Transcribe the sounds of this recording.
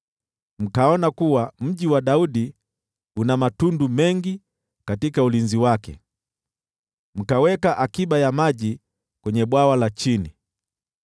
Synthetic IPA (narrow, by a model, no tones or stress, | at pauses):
m̩kaɔnakuwam̩ʄiwaɗauɗi | unamatundumɛŋɡi | katikaulinziwakɛ̰ | m̩kawɛkaʔakiɓajamaʄi | kwɛɲɛɓwawalat͡ʃini